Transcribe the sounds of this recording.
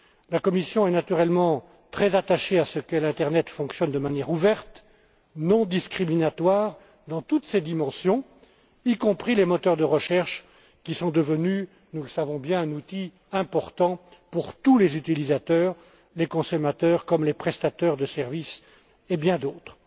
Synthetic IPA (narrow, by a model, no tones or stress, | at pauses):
lakɔmisjɔ̃ɛnat̪yʁɛlmɑ̃ | t̪χɛzat̪aʃeasəkəlɛ̃t̪ɛʁnɛt̪fɔ̃ksjɔnd̪əmanjɛʁuvɛʁt̪ | nɔ̃d̪iskχiminat̪waːʁ | d̪ɑ̃t̪ut̪sed̪imɑ̃sjɔ̃ | ikɔ̃pχilemɔt̪œʁd̪əʁəʃɛʁʃ | kʲisɔ̃d̪əvəny | nuləsavɔ̃bjɛ̃ɛ̃nut̪i | ɛ̃pɔʁt̪ɑ̃puʁt̪ulezyt̪ilizat̪œːʁ | lekɔ̃sɔmat̪œːʁkɔmlepχɛst̪at̪œʁd̪əsɛʁvis | ebjɛ̃d̪oːt̪χ